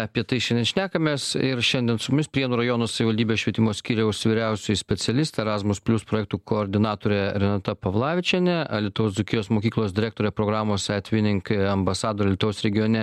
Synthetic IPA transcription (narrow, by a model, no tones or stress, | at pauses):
ɐpʲiɛt̪ɐɪʃʲɛndʲɛnʃʲnʲæːkɐmʲeːsɪɾʃʲɛnʲd̪ʲiɛnsʊmʊmʲɪspʲɾʲiɛnuːɾɐjoːnoːsɐʋʲɪʋɐlʲd̪ʲiːbʲeːsʃʲʋʲiɛt̪ʲɪmoːsʲkʲiːɾʲɛʊsʲʋʲɪɾʲɛʊsʲʊjsʲpʲɛtsʲɛlʲɪst̪ʲːɛɾɑːzmʊspʲlʲʊspɾoːjɛːk̚t̪uːkoːɾʲd̪ʲɪnɑːt̪oːɾʲɛɾʲɛnɑt̪ɐpɐʋlˠɑːʋʲɪt͡ʃʲɛnʲɛɐlʲiɛt̪ʊʋosd͡z̪ʊkʲɪjoːsmoːkʲiːklˠoːsd̪ʲɪɾʲæːkt̪oːɾʲɛpɾoːɡɾɑːmoːsæːt̪ʲʋʲɪnʲɪŋkɐmbɐsɑːd̪oːɾʲɛlʲɛt̪ʊʋʊsɾʲɛɡʲɪjoːnʲɛ